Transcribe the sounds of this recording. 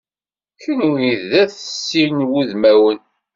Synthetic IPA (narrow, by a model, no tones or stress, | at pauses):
çəniðːæθəsːinwuðmæwən